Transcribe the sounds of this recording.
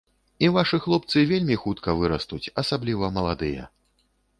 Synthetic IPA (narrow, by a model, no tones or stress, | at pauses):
ivaʂɨxlˠɔp̚t̪sɨvʲelʲmʲixut̪kɐvɨɾɐst̪ut͡sʲɐsablʲivɐmɐlˠad̪ɨjɛ̰